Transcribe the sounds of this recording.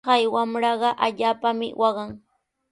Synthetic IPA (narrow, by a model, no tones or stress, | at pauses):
ɑjwamɾɑɢɑʔaʎaːpamɪ̰wʔɑɢɑŋ